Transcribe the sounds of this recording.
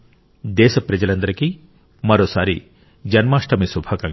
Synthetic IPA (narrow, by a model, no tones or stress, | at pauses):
d̪eːsɔpɾed͡ʒɐlɐnd̪ɾɐki | mɐɾosaɾi | d͡ʒɐnmasʈɐmisubʱakaŋ